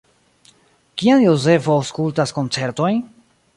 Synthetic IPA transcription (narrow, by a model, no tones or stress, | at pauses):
kianjo̞ze̞fo̞awskultasko̞nt͡se̞ɾto̞jn